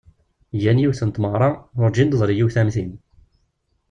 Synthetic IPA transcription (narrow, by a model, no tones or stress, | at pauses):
jænjiwθənt̪məʁɾˤɑʊɾd͡ʒind̪əzˤɾijiwθæmθin